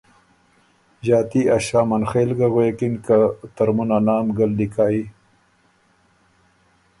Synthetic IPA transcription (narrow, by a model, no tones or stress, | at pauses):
ʑɑːt̪iaʃaːmanxeːlɡaɣweːkɪnkat̪aɾmunanɑːmɡald̪ikʰaːi